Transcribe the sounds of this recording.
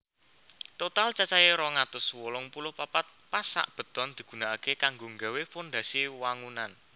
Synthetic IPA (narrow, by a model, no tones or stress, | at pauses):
t̪ot̪alt͡ʃat͡ʃajeɾɔŋat̪ʊswɔlɔŋpulʊhpapat̪̚pasa̰ʔb̥ə̤t̪ɔ̤nd̪̥i̤ɡ̥ṳnaːkekaŋɡoŋɡawefond̪a̤siwaŋunan